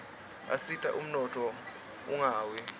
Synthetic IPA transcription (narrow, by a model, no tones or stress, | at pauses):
a̰sitʼa̰ʔum̩nɔtʰʼɔ | uŋaːwɛ